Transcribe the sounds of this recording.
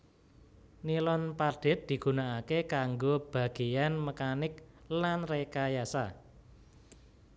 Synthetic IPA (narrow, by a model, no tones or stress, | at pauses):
nilɔnpaɖ̥ɪ̤t̪̚d̪̥i̤ɡ̥ṳnaːkekaŋɡob̥a̤ɡ̥e̤janməkanɪklanrekajasa̰